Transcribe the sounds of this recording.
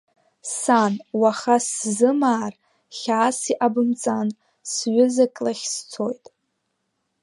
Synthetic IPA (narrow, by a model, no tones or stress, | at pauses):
sanwaχaszɨmaːr | χʲaːsiʔabɨmt͡sʼan | sɥʊzakʼlaχʲst͡sʰo̞jtʼ